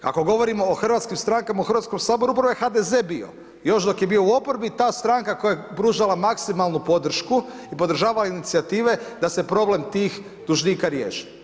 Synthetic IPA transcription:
ka̰ko̞ɡo̞ʋo̞ɾimo̞oxr̩ʋat̪skimst̪ɾaŋkamaoxrɾʋat̪skomsaːbo̞ɾuupɾaʋojexad̪eze̞ːbio̞̰ | jo̞ʃd̪o̞kjebio̞uo̞poɾbit̪aːst̪ɾaŋkako̞jajepɾuʒalˠamaksimalˠnupo̞d̪r̩ʃku | ipo̞d̪ɾ̩ʒaːʋalainit̪siat̪iːʋe̞d̪ase̞pɾo̞ble̞mt̪iːx | d̪uʒniːkaɾje̞̰ːʃi̥

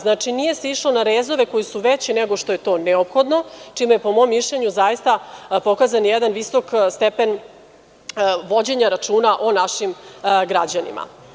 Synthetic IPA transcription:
znat͡ʂinije̞seiʂlonaɾeːzo̞ʋeko̞jisuʋet͡ɕineɡo̞ʃt̪o̞je̞t̪o̞ːneopxo̞d̪not͡ʂimujepo̞mo̞mːiʃʎeɲuzajist̪apo̞kazanjɛd̪anʋiso̞kst̪epen | ʋo̞d͡ʑe̞ɲaɾat͡ʂuːnaʔo̞naʃimɡɾad͡ʑanḭmʔa̰

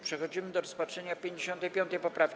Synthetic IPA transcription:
pʂɛxɔd͡ʑimɘd̪ɔɾɔspatʂɛɲapʲjeɲd͡ʑeɕɔnt̪ɛjpʲjɔnt̪ɛjpɔpɾafʲ

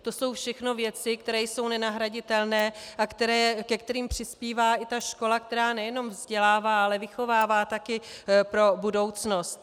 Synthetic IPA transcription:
t̪o̞so̞wfʃɛxno̞vjɛt͡sɪkt̪ɛɾɛːjso̞wnɛnaɦɾaɟɪt̪ɛlnɛːʔakt̪ɛɾɛːkɛkt̪ɛɾiːmpr̝̥ɪspiːvaːʔɪt̪aʃko̞lak̚t̪ɛɾaːnɛjɛno̞mvzɟɛlaːvaːalɛvɪxo̞vaːvaːt̪akɪpɾo̞budo̞wt͡sno̞st̪

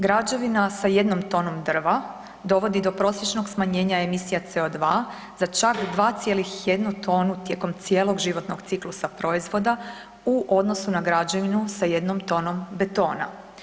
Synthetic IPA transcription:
ɡɾad͡ʑoʋinasaje̞d̪no̞mt̪o̞ːno̞md̪r̩ʋa | d̪o̞ʋo̞d̪id̪o̞pɾo̞sje̞t͡ʃno̞ɡsmaɲe̞ːɲae̞misijat̪se̞od̪ʋaː | z̥at͡ʃakd̪ʋaːt̪sje̞lixje̞d̪nut̪o̞ːnut̪je̞ko̞mt̪sijelo̞ɡʒiʋo̞t̪no̞ɡt̪siklusapɾo̞izʋo̞d̪a | uʔo̞d̪no̞sunaɡɾad͡ʑaʋinusaje̞d̪nomt̪o̞ːno̞mbet̪o̞ːna̰

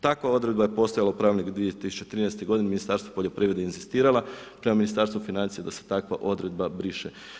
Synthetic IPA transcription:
t̪akʋao̞d̪ɾe̞d̪baje̞po̞st̪ojalaupɾaːʋnikd̪ʋijet̪isut͡ʃet̪ɾinɛest̪eɡo̞d̪ineminist̪aɾst̪ʋo̥poʎo̞pɾiːʋɾed̪einzist̪iːɾalapɾe̞maminist̪aɾst̪ʋufinant̪ijed̪ase̥t̪akʋa̰ʔo̞d̪ɾe̞d̪̚babɾiʃe

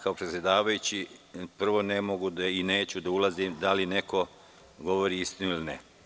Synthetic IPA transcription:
kaopɾet̪sʲje̞d̪aːʋajut͡ɕipr̩ʋo̞nemoɡud̪aine̞ːt͡ɕud̪aulˠazimd̪aline̞ko̞ | ɡo̞ʋo̞ɾiist̪inuiline

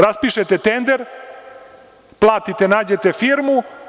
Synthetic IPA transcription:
ɾaspiʃet̪et̪end̪eɾ | plˠaːt̪it̪enaːd͡ʑet̪efiɾmu

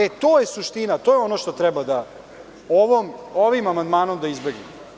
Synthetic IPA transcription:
et̪oːjesuʂt̪inat̪oːjeo̞noʃt̪o̞t̪ɾɛbad̪a | oʋomoʋimamand̪maːno̞md̪aizbeɡlim

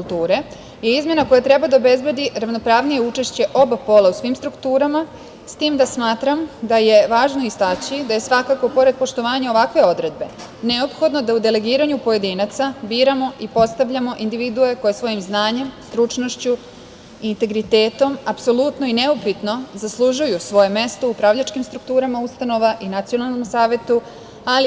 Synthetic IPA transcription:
kulˠt̪uːɾe̞ | je̞izmje̞nako̞jat̪ɾe̞bad̪aobe̞zbe̞d̪iɾaʋno̞pɾaːʋnije̞ut͡ʃe̞ʃt͡ɕe̞ʔo̞bapo̞lausʋimst̪ɾukt̪uːɾama | st̪iːmd̪asmaːt̪ɾamd̪aje̞ʋaːʒno̞ist̪at͡ɕid̪aje̞sʋakako̞po̞ɾe̞d̪̚po̞ʃt̪o̞ʋaːɲao̞ʋakʋe̞o̞d̪ɾe̞d̪̚be̞ | ne̞o̞pxo̞d̪no̞d̪aud̪ele̞ɡiːɾaɲupoje̞d̪iːnat̪sabiːɾamo̞ipo̞t̪st̪aʋʎamo̞ʔind̪iʋid̪ue̞ko̞je̞sʋo̞jimznaːɲe̞mst̪ɾut͡ʃno̞ʃt͡ɕu | int̪e̞ɡɾit̪e̞ːt̪o̞mapso̞lˠut̪no̞ineupit̪no̞zaslˠuʒujusʋo̞je̞me̞st̪o̞upɾaʋʎat͡ʃkimst̪ɾuk̚t̪uːɾamaust̪ano̞ʋaʔinat̪sijo̞nalˠnomsaːʋe̞t̪u | ali

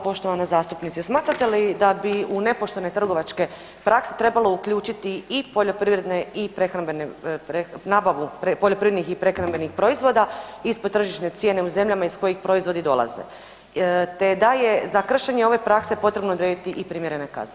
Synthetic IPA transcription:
po̞ʃt̪o̞ʋanazaːst̪upnit̪sismaːt̪ɾat̪elid̪abiune̞po̞ʃt̪one̞t̪r̩ɡo̞ʋat͡ʃke̞ | pɾakse̞̥t̪ɾe̞balˠo̞ukʎuːt͡ʃit̪iipo̞ʎo̞pɾiʋɾe̞d̪ne̞ipɾe̞xɾambenepɾenaːbaʋupepoʎo̞pɾiʋɾed̪nixipɾe̞xɾambe̞nixpɾo̞izʋo̞ːd̪aispod̪t̪ːr̩ʒiʃne̞t̪sje̞ne̞uze̞mʎamaisko̞jixpɾo̞izʋo̞d̪id̪o̞̰lˠa̰zḛ | t̪ed̪ajezakr̩ʃe̞ɲeo̞ʋe̞pɾakse̞po̞t̪ɾe̞bnod̪ɾed̪it̪iʔipɾimje̞ɾe̞neka̰z

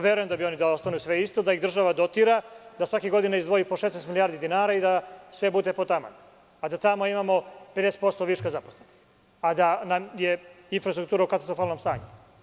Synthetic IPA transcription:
ʋjeɾujemd̪abio̞nid̪aost̪anujusʋeist̪o̞d̪aiɣd̪r̩ʒaʋad̪ot̪iɾad̪asʋakiɡo̞d̪inaizd̪ʋojipoʃesnest̪milijaːɾd̪id̪inaːɾaid̪asʋe̞bud̪epot̪ama̰n | ad̪at̪amoimamo̞ped̪ese̥t̪po̞st̪oʋiʃkazaposleni | ad̪anamje̞ | infɾast̪ɾukt̪uːɾaukat̪ḁst̪ɾofalnomst̪aːɲu

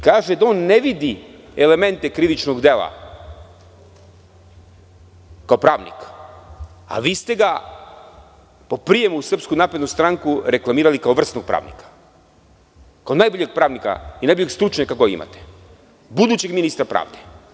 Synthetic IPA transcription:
kaːʒed̪ao̞nːeʋid̪i | ele̞me̞nt̪ekɾiʋit͡ʃnoɡd̪elˠa̰ | kaopɾaːʋnḭk | a̰ʋiːst̪e̞ɡa | po̞pɾije̞musr̩pskunaːpɾed̪nust̪ɾaŋkuɾe̞klˠamiːɾalikao̞ʋr̩st̪noɡ̚pɾa̰ːʋnḭkḁ | kaonaːjboʎeɡ̚pɾaːʋnika̰inajboʎeɡst̪ɾut͡ʃɲakakoḭma̰t̪e̥ | bud̪uːt͡ɕeɡminist̪ɾapɾa̰ːʋd̪e̥

